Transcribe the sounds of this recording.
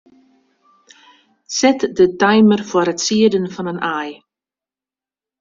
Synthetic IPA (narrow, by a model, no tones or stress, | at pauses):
sɛtdətajmərfɔɾətsiədənfɔnənaj